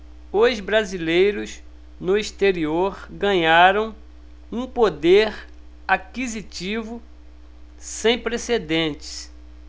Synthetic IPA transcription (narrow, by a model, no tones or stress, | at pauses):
ozbɾazilejɾʊz | nʊist̪eɾioɾɡɐ̃ɲaɾɐ̃w̃ | ũpod̪eɾ | akizit͡ʃivʊ | sẽj̃pɾesed̪ẽt͡ʃɪ̥s